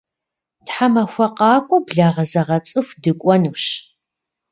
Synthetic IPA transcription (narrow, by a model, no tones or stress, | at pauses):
tħamɐxʷɐqɑːkʷʼʊbɮaːʁɐzɐʁɐt͡sʼɨxʷdɨkʷʼɔnɨwɕ